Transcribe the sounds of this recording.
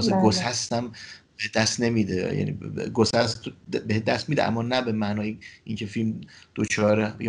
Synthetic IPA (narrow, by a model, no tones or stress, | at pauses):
zeɡosæst̪æmbed̪æst̪ne̞miːd̪ejæ̰nḭɡosæst̪ʰbehed̪æst̪miːd̪eʔæ̰mːɒːnæbemænɒːjeiːŋcʰe̞filmd̪̥ot͡ʃʰɒːɾej